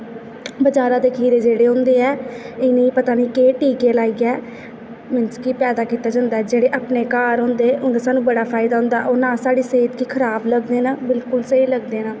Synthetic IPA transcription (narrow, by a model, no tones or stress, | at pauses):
bəd͡ʒaːɾãːd̪eːkʰiːɾeːd͡ʒeːɽeːɦʊ̃nd̪eːɛːɪnĩːpət̪aːnĩːkeːʈiːkeːlaːiːɡɛː | mɪnskiːpɛːd̪aːkiːt̪aːd͡ʒãːnd̪aːɛd͡ʒeːɽeːʔaːpneːkaːɾɦõːnd̪eːʊ̃nd̪eːsaːnũːbəɽaːpʰaːɪd̪aːɦʊ̃nd̪aɛʔoːnãːsaːɽiːseːt̪kiːkʰəɾaːbləɡd̪eːnaːbɪlkʊlsəiːləɡd̪eːnaː